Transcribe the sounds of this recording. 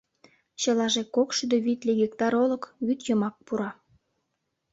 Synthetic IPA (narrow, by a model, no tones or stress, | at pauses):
t͡ɕəlɑʒekokʃyd̪øβit̪lʲeɡʲekt̪ɑɾolə̆kβyt̪jəmɑk̚puɾɑ